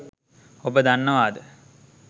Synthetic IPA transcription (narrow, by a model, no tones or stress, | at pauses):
obəd̪anːəʋaːd̪ə